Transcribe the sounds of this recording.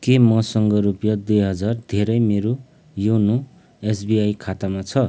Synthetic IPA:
kemʌsʌŋɡʌɾupjʌd̪ujɦʌd͡zard̪ʱeɾʌjmeɾo | jowno | esbiajkʰat̪amat͡sʰʌ

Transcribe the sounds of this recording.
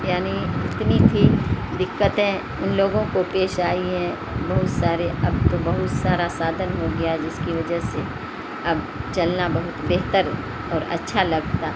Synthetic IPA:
jaːniɪt̪nit̪ʰid̪ɪkːət̪ẽ | ʊnloːɡõkopeːʃaːiɦɛ̃ | bɐɦʊt̪saːɾeɐb̚t̪obɐɦʊt̪saːɾasaːd̪ʱənɦoɡɐjaɛd͡ʒɪskiʋɐd͡ʒəɦse | ɐb | t͡ʃɐlnabɐɦʊt̪beːɦt̪əɾ | ɔːɾɐ̰tːʃʰalɐɡt̪a

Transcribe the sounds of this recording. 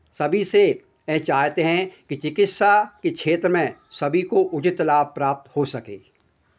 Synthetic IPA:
sɐbʱise | ɛt͡ʃaːɦt̪eɦɛ̃kit͡ʃɪkɪt̪ʃakekʰeːt̪ɾəmẽsɐbʱikoʔʊt͡ʃɪt̪laːpɾaːp̚t̪hosɐkḛː

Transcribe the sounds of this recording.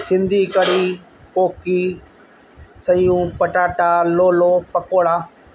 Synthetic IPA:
sɪ̃nd̪ʱiːkɐɽiː | poːkiː | sɐijũːpɐʈaːʈaːloːloːpɐkoːɽaː

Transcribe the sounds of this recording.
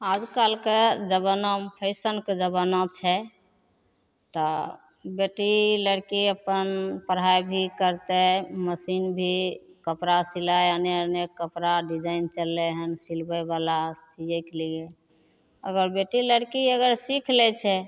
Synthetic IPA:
ad͡ʒkalked͡ʒəbənəmpʰəɪsənked͡ʒəbənɔt͡ʃʰɛ | t̪ɔ | beʈiləɽkiəpənpəɾɦajbʱikəɾt̪eməsinbʱikəpɾasilaaneənekəpɾaɖid͡ʒaint͡ʃəlːɛɦənsilbəjbalat͡ʃid͡ʒəkliɡe | ə̰ɡəɾbeʈiləɽkiəɡəɾsikʰlɛt͡ʃʰɛ

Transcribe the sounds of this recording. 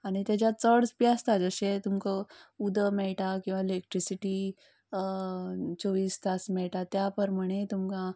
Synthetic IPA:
aɽ̃it̪jat͡ɕjat͡səɽspjast̪ad͡zəɕet̪umkəud̪əmɛɭʈakĩw̃ʋaelek̚ʈɾisiʈi | t͡soʋiːst̪asmɛɭʈat̪japəɾməɽ̃et̪umka

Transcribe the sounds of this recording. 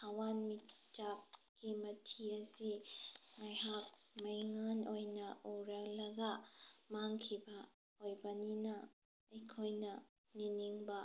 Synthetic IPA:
hawanmitt͡ʃap̚ɡimɐtʰiɐsiŋajhak̚ | mɐjŋanojnɐuɾalɐɡamaŋkʰibɐ | ojbɐninɐ | ɐjkʰojnɐ | niniŋbɐ

